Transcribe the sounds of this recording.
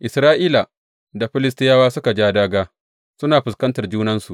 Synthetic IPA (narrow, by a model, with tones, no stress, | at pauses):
ʔɪ˨sɾaː˦ʔiː˦la˨ | da˨ɸɪ˦lɪ˦s̬tɪ˦jaː˦waː˦sʊ˦ka˨d͡ʒaː˦daː˦ɡaː˦ | sʊ˦naː˨ɸɪ˨skɐ˦ntɐ˨rd͡ʒuː˦nɐ˦nsu˨ʔ